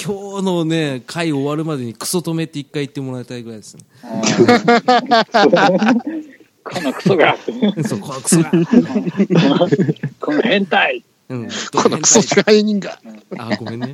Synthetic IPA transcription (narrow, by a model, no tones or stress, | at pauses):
kʲʰoːnone̞kʰaioːβaɾɯ̟mad̪e̞ɲ̟ikɯ̟̥so̞t̪o̞me̞t̪ːeikːait̪ːe̞moɾaet̪aiɡɯɾaid̪esɨne | kʰonokɯ̟̥soɡat̪ːesoːkokɯ̥ | kʰoẽnt̪ai | ɯ̃kʰonokɯ̥soskaaiɲ̟ĩŋɡaaɡomẽnːe